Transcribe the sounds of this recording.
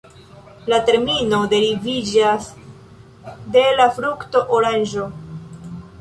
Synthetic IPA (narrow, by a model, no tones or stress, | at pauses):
late̞ɾmino̞de̞ɾivid͡ʒas | de̞lafɾukto̞ʔoɾand͡ʒo̞